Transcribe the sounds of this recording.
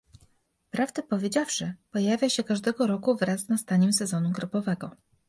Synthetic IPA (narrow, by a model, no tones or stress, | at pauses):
pɾavd̪ɛpɔvʲjed͡ʑafʂɘpɔjavʲjaɕɛkaʐd̪ɛɡɔɾɔkuvɾasnast̪aɲɛmsɛzɔnuɡɾɔbɔvɛɡɔ